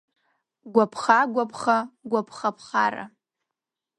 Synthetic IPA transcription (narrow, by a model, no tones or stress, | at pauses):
ɡʷapʰχaɡʷapʰχaɡʷapʰχapʰχa̰ra̰